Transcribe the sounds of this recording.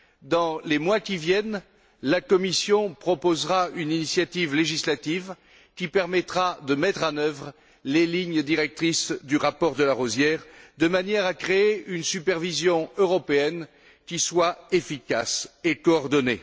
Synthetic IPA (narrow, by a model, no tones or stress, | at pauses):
d̪ɑ̃lemwakʲivjɛn | lakɔmisjɔ̃pχɔpozʁayninisjat̪ivleʒislat̪iv | kʲipɛʁmɛt̪χad̪əmɛt̪χɑ̃nœvʁ | leliɲd̪iʁɛk̚t̪χisd̪yʁapɔʁd̪əlaʁozjɛʁd̪əmanjɛʁakχeeynsypɛʁvizjɔ̃øʁɔpeɛn | kʲiswaefika̰sekɔɔʁd̪ɔnḛ